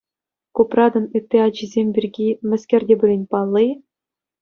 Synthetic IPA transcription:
kuprɑd̪ɤ̆nɯt̪ʲːeɑd͡ʑizʲemʲbʲirʲɡʲimʲɘ̆sʲkʲĕrʲdʲebulʲenʲpɑlˠːij

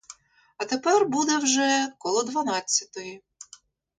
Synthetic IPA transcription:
ɐt̪epɛrbud̪ɛwʒɛkɔlˠɔd̪ʋɐnɑt͡sʲːɐt̪ɔji

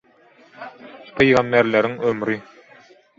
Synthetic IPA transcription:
pʰɯjɣɑnːeɾleɾiŋømɾi

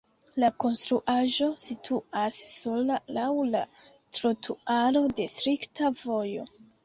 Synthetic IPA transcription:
lako̞nstɾuʔaʒo̞sitʰuasːo̞lalawla | tɾotʰuaɾo̞de̞stɾiktavo̞jo̞̰

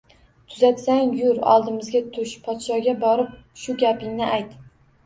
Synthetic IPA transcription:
t̪ʰʊzat̪saŋjʊɾɒ̰lˠd̪ɪmɪzɡʲat̪ʰʊʃpʰɒt̪ʃɒɡʲabɒɾɪp̚ʃʊɡʲapɪŋnɪʔajt̪

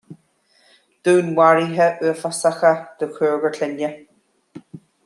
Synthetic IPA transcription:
d̪̥uːnwaɹiɦəʔʉːfasaxəd̪̥əkʰɜːɹɡəɹɬɛnə

